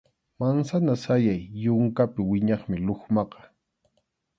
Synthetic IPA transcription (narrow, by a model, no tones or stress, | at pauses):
mansanasajajːʊŋkapɪwɪɲɑχmɪloχmɑqɑ̥